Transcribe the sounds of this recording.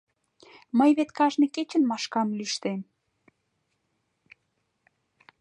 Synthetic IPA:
məjβet̪kɑʒneket͡ɕə̆nmɑʃkɑmlyʃt̪em

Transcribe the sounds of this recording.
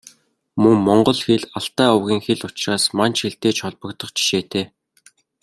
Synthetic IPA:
mɵŋmɔɴɢɞ̆ɮxeɮaɬt̪æːʊwɣʲiːŋxeɮʊt͡ɕraːsmant͡ɕxeɬt̪eːt͡ɕʰɔɮpə̆kt̪ə̆χt͡ɕʰi̥ʃeːt̪ʰeː

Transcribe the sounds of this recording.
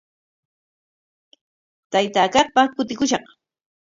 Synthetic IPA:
t̪ajt̪aːkɑχpakʊt̪̬ɪkʊʃɑχ

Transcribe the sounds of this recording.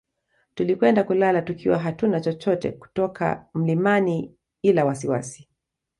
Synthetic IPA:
tulikwɛndakulalatukʰiwaɦatunat͡ʃɔt͡ʃɔtɛ̰ku̥tɔkʰa̰m̩limani | ilawasiwa̰si̥

